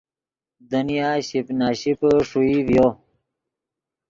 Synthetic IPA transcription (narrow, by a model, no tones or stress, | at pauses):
d̪ənijaːɕipnaːɕipʂuiwjo